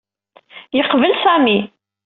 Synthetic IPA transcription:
jəqvəlsæmi

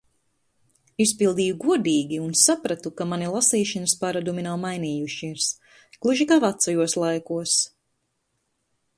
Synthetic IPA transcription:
ispilˠd̪iːjuɡuɔd̪iːɡʲiunsapɾat̪ukamanilˠasiːʃɨnəspaɾad̪uminawmajniːjuʃiiɾs | klˠuʒikavat̪sɔjuɔslˠajkuɔs

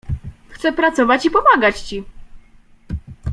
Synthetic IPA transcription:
xt̪sɛpɾat̪sɔvat͡ɕipɔmaɡat͡ɕt͡ɕi

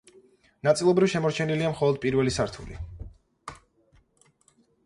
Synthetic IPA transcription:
nat̪sʼilˠɔbɾifʃɛmɔɾt͡ʃʰɛniliamχɔlˠɔd̪̚pʼiɾvɛlisaɾt̪ʰṵlḭ

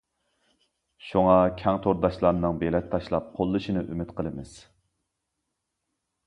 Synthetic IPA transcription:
ʃuŋɑkʲʰɛŋt̪ʰoɾd̪ɑʃlˠɑɾnɨŋbelɛt̪ʰːɑʃlˠɑp̚qʰolˠːɨʃinɨʔymɪt̪qʰəlˠɨmɨz̥

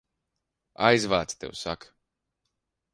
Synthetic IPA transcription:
ajzvaːt̪st̪ḛwsa̰k

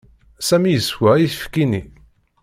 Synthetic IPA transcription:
sæmijəswæiθəfkːini

